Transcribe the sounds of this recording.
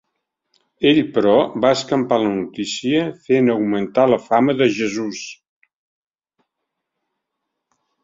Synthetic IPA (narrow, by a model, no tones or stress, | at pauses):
eʎpəɾɔbaəskəmpalənut̪isiəfenəwmənt̪aləfaməðəʒəzus